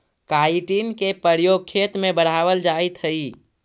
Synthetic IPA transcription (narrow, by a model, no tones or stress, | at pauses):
kaiʈinkepəɾjoɡ̚kʰet̪mẽbəɽ̤aːʋəld͡ʒait̪ɦəi